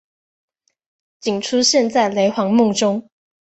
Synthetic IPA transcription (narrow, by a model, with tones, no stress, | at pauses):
t͡ɕi˨˩ŋʈ͡ʂʰu˥ɕjɛ˥˧nt͡sa˥˩ɪle˧˥ɪxwɑ˧˥ŋmʊ˥˩ŋʈ͡ʂʊ˥ŋ